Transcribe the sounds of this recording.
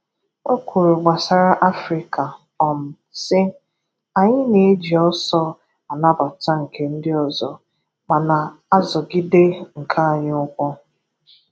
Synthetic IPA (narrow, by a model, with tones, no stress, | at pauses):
o˦kʷʰu˨ɾu˨ɡ͡ba˨sa˨ɾa˦ʔa˦fɾi˨ka˨ | ɔ˨m̩˨ | sɪ˦ | a˨ɲɪ˦ne˨˦d͡ʒi˨ɔ˦sɔ˦ | a˨na˦ba˨ta˦ŋ̩˨ke˨n̩˦dɪ˦ɔ˨zɔ˨ | ma˨na˨a˦zɔ˨ɡi˦de˦ŋ̩˨kʰa˦a˨ɲɪ˦ʊ˦kʷɔ˦